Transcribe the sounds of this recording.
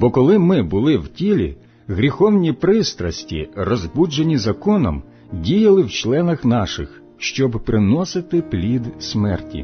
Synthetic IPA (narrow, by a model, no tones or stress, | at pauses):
bɔkɔlˠɪmɪbʊlˠɪwtʲilʲḭ | ɣɾʲixɔwnʲipɾɪst̪ɾɐsʲtʲḭrɔzbud͡ʒenʲizɐkɔnɔ̰m | dʲijɐlˠɪwt͡ʃlˠɛnɐxnɑʃɪ̰x | ʃt͡ʃɔbpɾɪnɔsɪt̪ɪplʲid̪sʲmɛrtʲḭ